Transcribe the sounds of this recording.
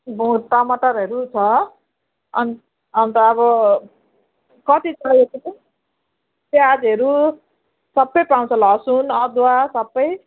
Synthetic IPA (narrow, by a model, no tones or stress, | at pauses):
bũʈʌmʌʈʌɾɦeɾut͡sʰʌ | ʌ̰n | ʌnt̪ʌːbʌ | kʌt̪it͡sʌetipʌ | tead͡zɦeɾu | sʌbːʌjpaw̃t͡sʰʌlʌsunʌd̪wasʌbːʌj